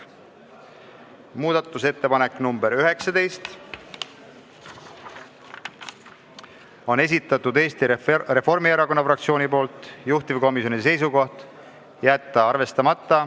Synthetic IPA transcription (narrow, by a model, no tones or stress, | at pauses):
muːd̪̥ɑt̪ːˑuse̞t̪ːe̞pɑne̞kːˑnumbeɾyɦe̞ksɑd̪e̞jst̪ | o̞ne̞s̬ʲit̪ˑːɑt̪ːˑud̪e̞ːst̪ire̞fo̞rmieɾɑko̞nːɑfrɑkt̪sio̞ːnipo̞ːlt̪ˑjuht̪ivko̞misjo̞nis̬e̞js̬uko̞ht̪ | jæt̪ːɑɑrve̞st̪ɑmɑt̪ːˑɑ